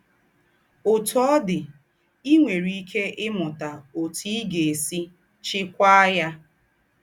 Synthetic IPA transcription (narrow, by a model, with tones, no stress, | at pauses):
o˨tɔ˦dɪ˨ | i˦ŋʷe˨ɾi˦i˦kʰe˦ʔɪ˦mʊ˨ta˨o˨ti˦i˦ɡe˨e˨si˦ | t͡ʃɪ˦kʷa˦ja˦